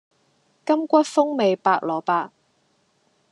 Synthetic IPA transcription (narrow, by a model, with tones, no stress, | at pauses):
kɐ˥mkʷɐ˥t̚fʊ˥ŋme˨jpaː˧k̚lɔː˨˩paː˧k̚